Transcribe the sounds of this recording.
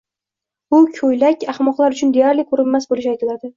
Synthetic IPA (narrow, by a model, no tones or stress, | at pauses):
bʊkʲʰojlakʲaχmɒqlˠaɾʊt͡ʃʰʊnd̪ejaɾlikʰɵɾɪmːasbolɪʃajt̪ʰɪlad̪ɪ